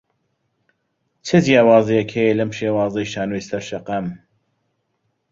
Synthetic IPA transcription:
t͡ʃʰɨzijaːwaːzijɛkhejelɐmʃeːwaːzɐjʃaːnojsɐɾʃɐqɐm

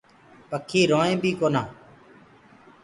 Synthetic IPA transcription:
pəkʰːiːɾoːẽːbiːkoːnãː

